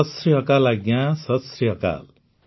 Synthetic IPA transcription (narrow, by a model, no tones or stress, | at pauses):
ʌsriɦʌkalaɡjãsʌsriɦʌka̰l